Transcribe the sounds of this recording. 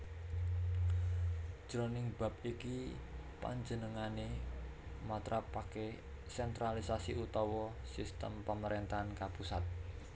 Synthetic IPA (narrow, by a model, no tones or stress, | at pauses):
ʒ̥ɾonɪŋb̥a̤p̚ikipa̰ɲd͡ʒənəŋane | mat̪ɾapake | sɛnt̪ɾalisasiʔut̪ɔwɔsist̪əmpaməɾent̪aankapusat̪̚